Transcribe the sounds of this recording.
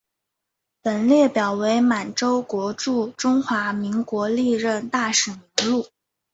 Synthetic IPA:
pə˨˩nljɛ˥˩pjɑ˨˩ʊwe˧˥ɪma˨˩nʈ͡ʂo˥ʊkwɔ˧˥ʈ͡ʂu˥˩ʈ͡ʂʊ˥ŋxwa˧˥mi˧˥ŋkwɔ˧˥li˥˧ɻə˥˧nt̪a˥˩ʂə˨˩ŋi˧˥lu˥˩

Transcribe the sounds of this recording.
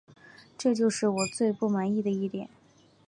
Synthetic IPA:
ʈ͡ʂɤ˥˧t͡ɕjo˥˧ʊʂɻ̩˥˩wɔ˨˩t͡swe˥˧ɪpu˥˩ma˧˥ni˥˩d̪ə˩i˥˩t̪jɛ̰˨˩˦n

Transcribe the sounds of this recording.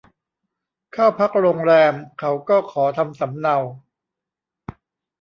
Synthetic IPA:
kʰaː˥˩pʰa˦˥k̚ɾoː˧ŋɾɛː˧mkʰa˩˥wkɔː˥˩kʰɔː˩˦t̪ʰa˧msa˩˦mna˧w

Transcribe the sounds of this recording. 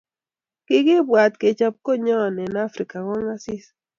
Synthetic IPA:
ki˦ki˦bwa˨t̪ke˨t͡ʃa˨p̚ko˦ɲɔ˦˨nɛ˨na˦fɾi˨ka˨ŋɔ˦ŋa˦si˦s

